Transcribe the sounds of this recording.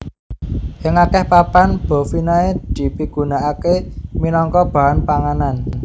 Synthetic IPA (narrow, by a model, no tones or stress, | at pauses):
ʔɪŋakɛhpapanb̥ɔ̤finaed̪̥i̤piɡ̥ṳnaʔakeminɔŋkɔb̥a̤ɦanpaŋanan